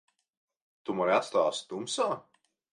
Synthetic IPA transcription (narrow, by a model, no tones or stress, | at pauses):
t̪umaɾʲat̪st̪aːst̪umsaː